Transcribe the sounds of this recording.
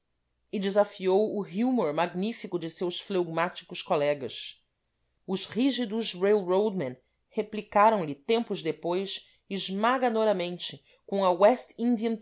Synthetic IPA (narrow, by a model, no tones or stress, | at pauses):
ɪd͡ʒɪzafiowʊɦjumoɾmaɡnifikʊd͡ʒɪsewsflewɡmat͡ʃi̥kʊʃkolɛɡɐs | ʊʃhiʒid̪ʊzɾewɾowd̪mɐ̃n | heplikaɾɐ̃w̃lɪt̪ẽmpʊzd̪epojʃ | ɪʒmaɡanɔɾɐmẽnt͡ʃɪ | kõɐwɛst̪ĩnd̪iɐ̃n